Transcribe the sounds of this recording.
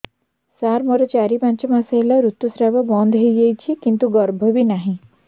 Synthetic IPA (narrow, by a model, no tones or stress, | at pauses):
saɾmɔɾɔt͡ʃaɾipãnt͡ʃɔmaseelaɾut̪ːusɾabɔbɔnd̪ʱɦejd͡ʒejt͡ʃʰikint̪uɡɔɾbʱɔbinaɦĩ